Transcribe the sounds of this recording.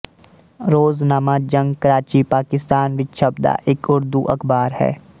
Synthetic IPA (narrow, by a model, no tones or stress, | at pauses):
ɾoːznaːmad͡ʒɐ̃ŋɡkəɾaːt͡ʃipaːkɪst̪aːnʋɪt̪ʃɐbd̪a̰ʔekʊɾd̪uʔɐkbaːɾhɛ̰ː